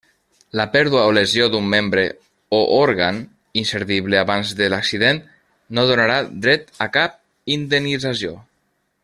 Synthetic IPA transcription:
ləpɛɾðuaoləzjod̪umːembɾe | oʔoɾɣan | inseɾðiβleaβanzðəlaksiðen | noðonaɾad̪ɾɛt̪əkap̚ | ind̪enːid͡zazjo

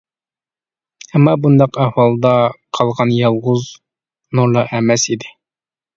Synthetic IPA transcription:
æmːɑbund̪ɑqɑhwɑlˠd̪ɑqʰɑlˠʁɑnjɑlˠʁuz | nuɾlˠɑʔæmæsid̪ɪ

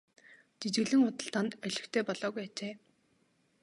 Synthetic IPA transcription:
t͡ɕit͡ɕɣɘ̆ɮɘ̆ŋʊt̪ə̆ɬt̪ʰant̪œɮɪ̆xt̪ʰeːpɔɮɔːɣujat͡ɕeː

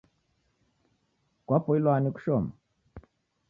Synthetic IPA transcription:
kwapɔilwaniku̥ʃɔma

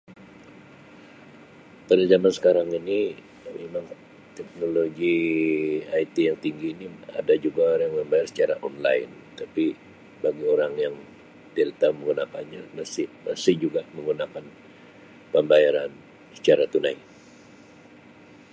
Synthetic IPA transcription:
padazamansə̥kaɾaŋini | memaŋ | t̪ɛk̚noloɡi | ait̪ijaŋt̪iŋɡiːnia̰dad͡ʒuɡaɾjaŋməmbajarsə̥t͡ʃaɾaʔɔnla̰ɪn | t̪api | baɡioɾaŋjaŋ | t̪iɾit̪auməŋɡunakanɲamasɪmasɪhd͡ʒuɡaməŋɡunakan | pəmbajaɾan | sə̥t͡ʃaɾat̪unaj

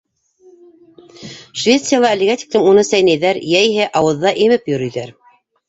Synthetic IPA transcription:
ʃvʲet̪sɨjalˠɑɘ̆lɘ̆ɡæt̪ʲi̥klɘmunɤsæjnæjðæɾjæjɦɘʔɑwɤ̆ðːɑʔimɘpjɵ̆ɾɵ̆jðæɾ

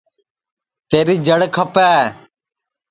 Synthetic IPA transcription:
t̪eːɾiːd͡ʒəɽkʰəpɛː

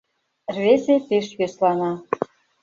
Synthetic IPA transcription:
rβesep̪eʃβeslɑnɑ

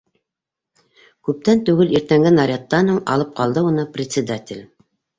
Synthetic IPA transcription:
kʉp̚t̪ænt̪ʉɡɘliɾt̪æŋɡɘnɑɾʲat̪ːɑnɤɴɑ̰lˠɤp̚qɑlˠd̪ɤunɤprʲɪt̪ʲsʲɪd̪at̪ʲɪlʲ

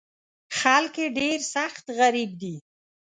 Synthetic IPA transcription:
xalkeɖeɾsaxt̪ɣaɾib̚d̪i

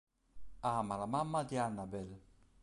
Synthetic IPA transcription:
amaɾamamːad̪ianːabɛl

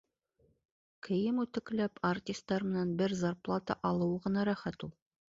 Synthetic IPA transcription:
kʰɘ̆jɘmʉt̪ɘ̆klæpɐrtʲist̪ːɑɾmɘ̆nænbɘɾzarplˠɑt̪ɑ̰ʔɑlˠɤwɤʁɤ̆nɑɾæχæt̪ulˠ

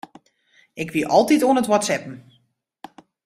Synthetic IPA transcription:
ɪkʋiʔɔlˠtitoənətwɔtsɛpn̩

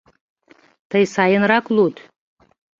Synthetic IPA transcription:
t̪əjsɑjənɾɑklˠut̪

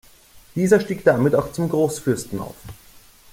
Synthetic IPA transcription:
d̥iːzɐʃtiːkd̥amɪtaʊxt͡sʊmɡʁoːsfʏɐstn̩a̰ʊf

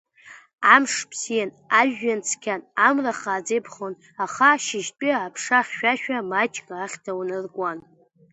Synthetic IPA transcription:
amʂpʰsijan | aʒːant͡sʰkʲʰanamraχaːd͡zejpʰχon | aχaʃɪʃtʼiːpʰʂaχʲʃᶣaʃᶣamat͡ʃʼkʼaːχʲtʰawnɨrɡʷʼan

